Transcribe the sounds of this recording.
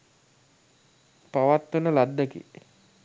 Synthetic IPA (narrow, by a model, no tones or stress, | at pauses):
paʋat̪ːunəlad̪ːəkḭ